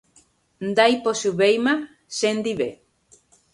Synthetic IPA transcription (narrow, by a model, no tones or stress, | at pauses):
nd̪ajposuβejma | send̪iβe